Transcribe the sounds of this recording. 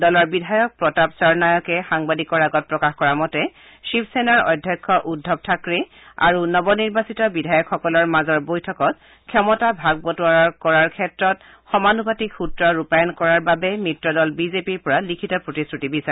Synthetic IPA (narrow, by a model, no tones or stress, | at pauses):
dɔlɔɹbidʱajɔk̚pɹɔtapsɔɹnajɔkɛxaŋbadikɔɹaɡɔt̚pɹɔkaxkɔɹamɔtɛ | ʃipʰsenaɹɔ̰jdʱːjɔjkʰːɔʔudʱːɔb̚tʰakɹi | a̰ɹunɔbɔniɹbasitɔbidʱajɔkxɔkɔlɔɹmazɔɹbojtʰɔkɔt̚ | kʰɛmɔtabʱaɡ̚bɔtuwaɹɔɹkɔɹaɹkʰɛtɹɔt̚ | xɔmanubatikxutɹɔɹupajɔnkɔɹaɹbabɛmitɹɔdɔlbizepiɹpɔɹalikʰitɔpɹotistɹutibisa